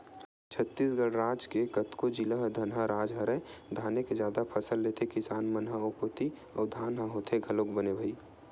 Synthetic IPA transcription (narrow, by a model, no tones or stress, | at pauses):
t͡ʃʰət̪ːisɡəɽɾaːd͡ʒkekət̪kod͡ʒiləɦd̪ʱɐnɦəɾaːd͡ʒɦəɾəd̪ʱaːneked͡ʒjaːd̪apʰɐsəlːet̪ʰekɪsaːnmənɦəokʰoːt̪i | ɔːɾd̪ʱaːnɦəɦoːt̪ʰeɡʱɐlokbənebʱəiː